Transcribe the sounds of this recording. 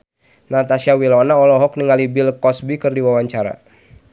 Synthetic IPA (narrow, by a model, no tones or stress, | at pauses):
nat̪asiawilɔnaɔlɔɦɔkniŋalibilkɔsbikɨrdiwawaɲt͡ʃaɾa̰